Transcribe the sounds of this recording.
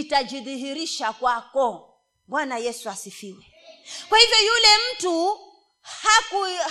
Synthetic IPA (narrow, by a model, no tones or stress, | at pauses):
itad͡ʒiðiɦiɾiʃakwakɔ | ɓwanajɛsuasifiwɛ | kwahivjɔjulɛm̩tu | haku